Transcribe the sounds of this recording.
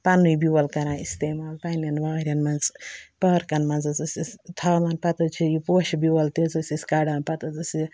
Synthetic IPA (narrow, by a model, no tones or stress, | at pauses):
pɐnːujbiwɐlkɐɾãːist̪eːmaːlpanjɐnʋaːɾʲɐnmɐnzpɐɾkɐnmɐnzɐzɨsʲist̪ʰɐːmɐnpɐt̪ɐt͡ʃʰijupoːʃɐbuwɐlt̪izɐsʲiskɐɽãːnpɐt̪ɐzɐsʲi